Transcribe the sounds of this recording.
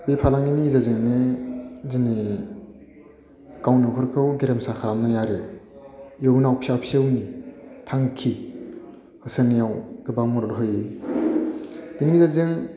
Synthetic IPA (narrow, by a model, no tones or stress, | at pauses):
bepʰalaŋiniŋizazeŋne | zini | kawnikʰɯɾkʰɯwɡeɾemsakʰaɾamnajaɾɯ | jewnawpʰsapʰsewnitʰaŋkʰi | hɯsenjawɡɯbamɔɾɔɾɦɯj | b̥iniŋizazɯŋ